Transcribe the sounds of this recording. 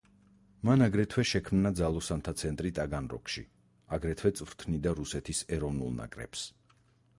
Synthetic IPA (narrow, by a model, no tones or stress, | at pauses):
manaɡɾɛt̪ʰwɛʃɛkʰmnad̪zalˠɔsant̪ʰat̪sʰɛnt̪ʼɾit̪ʼaɡanɾɔ̰kʰʃi | aɡɾɛt̪ʰwɛt̪sʼvɾt̪ʰnid̪aɾusɛt̪ʰisɛɾɔvnṵlˠna̰kʼɾɛ̰ps